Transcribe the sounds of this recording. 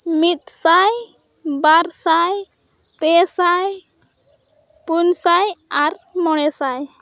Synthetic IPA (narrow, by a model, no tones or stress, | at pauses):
mit̪̚saj | baɾsaj | t̪ɛsaj | punsajaɾmɔɽ̃ɛsaj